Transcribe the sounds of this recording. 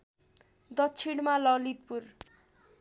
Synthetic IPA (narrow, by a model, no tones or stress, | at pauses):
d̪ʌtːt͡sʰiɽmalʌlit̪̚pur